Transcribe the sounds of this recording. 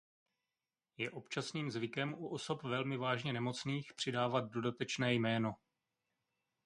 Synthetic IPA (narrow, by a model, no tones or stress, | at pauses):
jɛʔo̞pt͡ʃasniːmzvɪkɛmʔuʔo̞so̞pvɛlmɪvaːʒɲɛnɛmo̞t͡sniːxpr̝̥ɪdaːvad̪̚do̞dat̪ɛt͡ʃnɛːjmɛːno̞